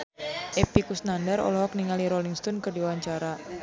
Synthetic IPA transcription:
ʔepikusnandəɾɔ̰lɔɦɔk̚niŋaliɾoliŋst̪ɔnkərdiwaɲt͡ʃaɾa

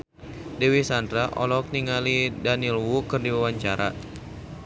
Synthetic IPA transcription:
dewisandɾaʔɔ̰lɔk̚niŋalidanilwukɨrdiwawaɲt͡ʃaɾʔa̰

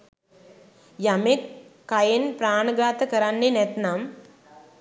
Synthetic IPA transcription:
jɐmekːɐjenpɾaːɳɐɡaːt̪ɐkɐɾanːenet̪nam

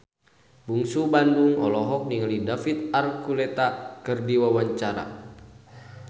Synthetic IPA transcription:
buŋsubanduŋɔ̰lɔɦɔk̚niŋalidafit̪̚arkulɛt̪akɨrdiwawaɲt͡ʃaɾa̰

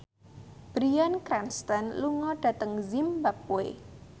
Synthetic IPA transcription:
b̥ɾiankɾanst̪ənluŋɔɖ̥ä̤t̪əŋzimbap̚oḛ

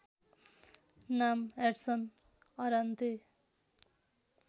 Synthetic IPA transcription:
nameʈsʌn | ʌɾant̪e

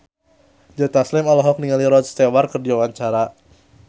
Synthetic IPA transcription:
d͡ʒɔt̪aslɪmalɔɦɔk̚niŋaliɾɔt̪st̪ewarkərdiawaɲt͡ʃaɾa

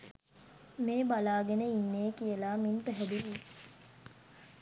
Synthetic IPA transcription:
meːbalaːɡenəinːeːkijəlaːminpəɦɛd̪iʋiː

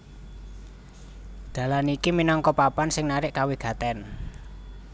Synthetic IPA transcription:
d̪̥ä̤lanikiminɔŋkɔpapansɪŋnaɾɪʔkawiɡ̥ä̤t̪ɛn

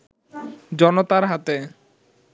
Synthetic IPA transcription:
d͡ʑɔnot̪aɾɦat̪e

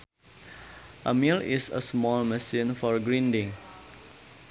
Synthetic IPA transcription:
ʔəmilḭsə̰smɔlmɛsĩnfɔɹɡɹĩndĩŋ

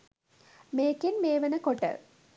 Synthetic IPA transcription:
meːkinmeːʋənəkoʈə̰

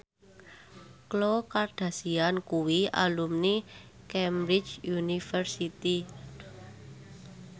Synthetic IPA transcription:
klokarɖ̥ä̤siankuwia̰lumni | kɛmbɾɪ̥d͡ʒjunifərsit̪i

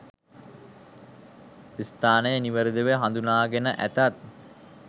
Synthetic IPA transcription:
ist̪aːnəjəniʋəɾid̪əʋeɦand̪unaːɡenəʔæ̰t̪at̪̚

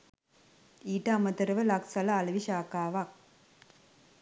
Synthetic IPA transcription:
iːʈːamɐt̪ɐɾɐʋɐlaksɐlɐːlɐʋiɕaːkaːʋak̚

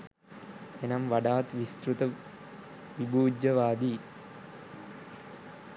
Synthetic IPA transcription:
enɐmʋaɖaːt̪ʋist̪ɾut̪ə | ʋibuːd͡ʒɐʋaːd̪iː

